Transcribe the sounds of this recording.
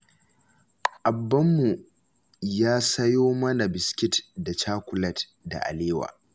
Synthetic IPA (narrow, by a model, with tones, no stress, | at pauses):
ʔa˨bːɐ˦mːu˨ | jaː˦sɐ˦joː˦mɐ˦na˨bɪ˨skʲɪ˦tda˨t͡ʃaː˦kʷʊ˨lɐ˦t | da̰˨ʔa̰˨leː˦wa̰ː˨